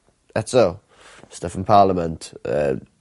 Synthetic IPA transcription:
ɛtso | stafə̃npʰɑːləmə̃ntə̰

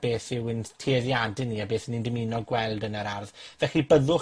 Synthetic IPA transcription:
b̥eːθɪwəntʰiːðjadɪnːiabeːθənindɪminɔɡwɛlˠdənəɾarðvɛχibəðʊ

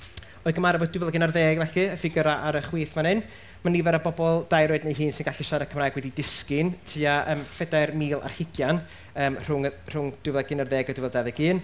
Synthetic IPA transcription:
oːðɡəmaɾavɔddɪvlˠɛɡɪnarðɛːɡvɛɬɨəfɪɡəɾaʔaɾəχwiːθmanɨn | manivɛɾabɔbɔlˠd̥ajɾɔɨdnejɦɨːnsɪnɡ̥aɬiʃaɾakʰəmrajɡ̥wɛdidɪskɪntʰiːaʔəːmfɛdarmiːlˠʔa̰r̥hɪɡjan | əːmr̥ʊŋr̥ʊŋd̥ɪvlˠaɡɪnarðɛːɡɔdɪvɛlˠdaðɪɡɨːn

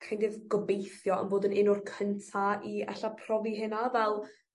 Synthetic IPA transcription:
kʰajndɪðɡɔbejθjɔə̰nboːdənɪnʊrkʰəntʰaiɛ̰ɬapʰrɔviɦɪnavɛlˠ

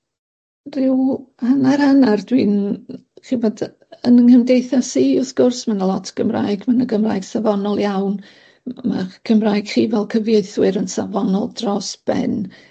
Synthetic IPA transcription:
rɪwhənaɾhanardwiːnχibɔd | ənənkəmdejθasiʊθɡ̥ʊrsmanəlˠɔtʰɡ̥əmra̰ːjɡmanəɡəmra̰ːjɡsavɔnɔlˠjawn | ma̰ɡ̥ʰəmraːjɡ̥χiːvɛlˠkʰəvjeɨθwɨɾənsavɔnɔlˠdrɔsb̥ɛ̰n

